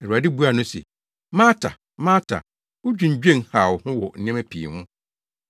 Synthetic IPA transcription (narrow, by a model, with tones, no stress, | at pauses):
ɛ˨u˨a˨dɪ˦bu˦a˨nʊ̃˦sɛ̰˨ | mãː˦tʰa̰˨ | mãː˦tʰa̰˨ | ʊ˦d͡ʑᶣũ˨ɲ̩˨d͡ʑᶣẽ˦nha˨whʊ̃˦wɔ˨n̩˨nɛ̃˦mæ˦pʰi˨hʊ̃˦